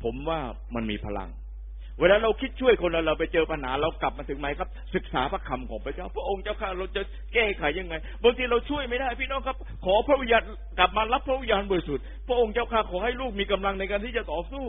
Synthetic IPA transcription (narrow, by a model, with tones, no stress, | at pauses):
pʰo˩˦mwaː˥˩ | ma˧nmḭː˧pʰa˧la̰˧ŋ | weː˧laː˦˥ɾa˧wkʰi˦˥t̪̚t͡ɕʰu˥˩əjkʰo˧na˨˧˩ɾa˧wpa˧jt͡ɕɤː˧pʰa˧naː˩˦ɾa˧wkla˨˩p̚maː˧ɯ˩˦ŋma˦˥jkʰa˦˥p̚sɯ˨˩k̚sa̰ː˩˦pʰa˦˥kʰa˧mkʰɔː˨˩˦ŋpʰɾa˧t͡ɕaː˥˩wpʰɾa˥ʔo˧ŋt͡ɕaː˥˩wkʰaː˥˩ɾa˧wt͡ɕa˨˩ | kɛː˥˩kʰa˨˦jːa˧ŋːa˧jbaː˧ŋt̪ʰiː˧ɾa˧wt͡ɕʰu˥˩əjma˥˩jdaː˥˩jpiː˥˩nɔː˦˥˩ŋkʰa˦˥p̚kʰɔː˨˦pʰɾa˦˥ʔwi˧jaː˧n | kla˨˩p̚maː˧la˦˥pʰːɾa˦˥wi˧ɲːjaː˧nbɔː˧i˦˥su˨˩t̪̚pʰɾa˦˥ʔo˧ŋt͡ɕaː˥˩wkʰaː˧˥˩kʰɔː˨˩˦ha˥˩jluː˥˩k̚miː˧ka˧mla˧ŋna˧jkaː˧nt̪ʰiː˥˩t͡ɕa˨t̪ɔː˨˩suː˥˩